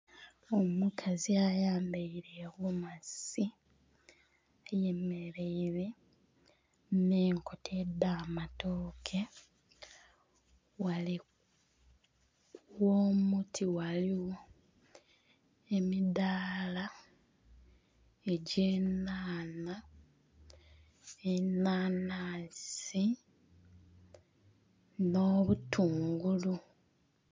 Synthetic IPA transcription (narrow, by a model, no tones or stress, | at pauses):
omukʰaziajaːmbeiɾewumasi | aje̞me̞ɾe̞iɾe̞ | neːŋkotʰedːaːmatoːkʰe̞ | wali | woːmutʰiwaliwo | e̞midaːla | e̞ɟeːnaːna | enaːnaːsi | no̞ːβutʰuːŋɡulu